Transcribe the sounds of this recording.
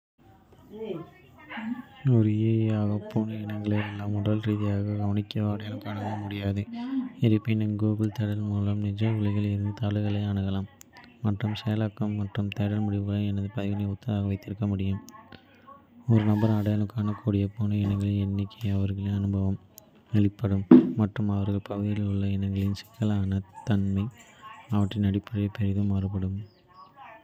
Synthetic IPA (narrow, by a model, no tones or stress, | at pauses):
ɔɾɯjeaːɣɐpːoːnɯɛnɐŋɡɐɭeɛlːaːmʊɽɐlɾiːðɪjaːɣɐɡɐʋɐnɪkːɪɐʋaːɽɐjɐnɯkːaːnɐɡɐɭɐmʊɽɪjaːðɯɛɾɯpːɪnɐmɡoːbɪlt̪ɛɽɐlmuːlɐmnɪd͡ʒɐɪɭɪɣɐɭɪɾɯnd̪ɯt̪ɐɭɐɣɐɭɐaɳɐɣɐlaːmːɐʈrɯmsɛjɐlɐkːɐmːɐʈrɯmt̪ɛɽɐlmʊɽɪʋɐɐlɐɛnɐðɯpɐðɪɣɐnɐjɐʊt̪ːɐðaːɣɐʋɐɪt̪ːɪɾɯkːɐmʊɽɪjɯm | ɔɾɯnɐbɐɾɐɽɐjɐnɯkːaːnɐkuːɽɪjɐpːoːnɐɛnɐŋɡɐɭɐɛnːɪkːɐɐʋɐɾɣɐɭɪɐnɯbɐʋɐm | ɛɭɪpːɐɽɯmːɐʈrɯmɐʋɐɾɣɐɭpɐɣɯðɪlʊɭːɐɛnɐŋɡɐɭɪnsɪ̥kːɐlaːnɐt̪ɐnmɐɪ | ɐʋɐʈːrɪnɐɽɪpːɐɾɐjɐpɛɾɪðɯmaːɾɯpːɐɽɯm